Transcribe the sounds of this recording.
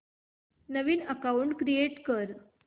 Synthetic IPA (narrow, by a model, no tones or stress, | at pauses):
nəʋiːnəkauɳɖkɾieʈkəɾ